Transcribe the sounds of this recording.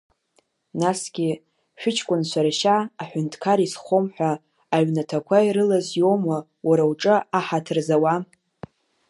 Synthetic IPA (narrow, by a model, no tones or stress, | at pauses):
nasɡʲi | ʃᶣʊt͡ʃʰkʷʼʊnt͡ɕʷʰaɾaʃaːħʷᶣʊntʰkʰaɾisχʷomħʷᶣaː | ɥnatʰakʷʰaiɾɨlazjo̞ma | wʔaɾawʈ͡ʂʼɨaħatʰɨrzawa